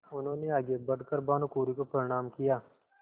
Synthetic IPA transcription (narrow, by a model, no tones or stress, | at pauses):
ʊnɦõːneaːɡebɐɽkəɾbaːnukuːɾikopɐɾɪɽ̃aːmkɪjaː